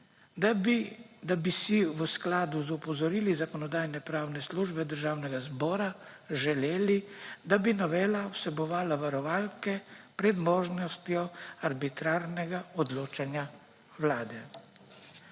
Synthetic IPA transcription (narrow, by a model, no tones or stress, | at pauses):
d̪abisiʋəsklaːd̪uzupɔzɔɾiːlizakɔnɔd̪aːjnɛpɾaːwnɛsluːʒbɛd̪əɾʒaːwnɛɡazbɔːɾa | ʒɛleːlid̪abinɔʋeːlawsɛbɔʋaːlaʋaɾɔʋaːlkɛpɾɛd̪mɔːʒnɔst̪jɔaɾbit̪ɾaːɾnɛɡaɔd̪loːt͡ʃanja | wlaːd̪ɛ